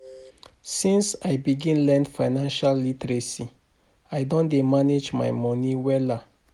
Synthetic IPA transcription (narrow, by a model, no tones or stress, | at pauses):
sĩnsajbiɡĩnlɛ̃ndfaɪnãnʃalːitɹesi | aɪdɔ̃ndemaned͡ʒma̰jmɔ̃niwɛla